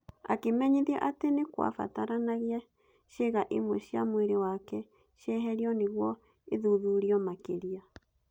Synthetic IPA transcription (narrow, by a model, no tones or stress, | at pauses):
a̰kemɛɲiðɛʔatenekwa̰fa̰taɾanaɣia | ʃeɣaʔimwɛʃja̰mweɾewakɛ | ʃjɛɦɛɾiɔneɣwɔ | eðuðuɾiɔmakeɾia